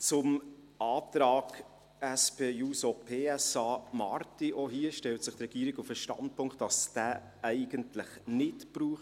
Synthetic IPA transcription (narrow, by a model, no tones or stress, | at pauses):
t͡sʊm | ɑːtɾɑːɡ | æspeːuːsopʰeːɛsɑːmɑɾtiʔoɦiəʃtɛltsɪχt̪rɛɡ̥iːɾiɡufəʃtɑ̰nd̚pʰʊŋkt̚d̥ɑsd̥æː | æɪɡ̥əntlɪχnɪtb̥ɾuːχt